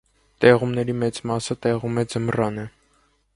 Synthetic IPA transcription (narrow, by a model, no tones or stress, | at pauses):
t̪ɛʁumnɛɾimɛt͡smɑsət̪ɛʁumɛd͡zəmrɑnɛ